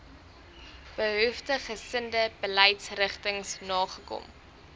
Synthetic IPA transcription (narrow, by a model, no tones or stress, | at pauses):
b̥əɦœftəχəsəndəb̥əlɛjtsrəχtəŋsnɑːχəkɔ̰m